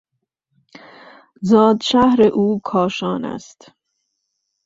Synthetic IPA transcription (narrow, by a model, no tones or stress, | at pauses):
zɒːd̪ʃæhɾeʔuːkʰɒːʃɒːnæ̰st̪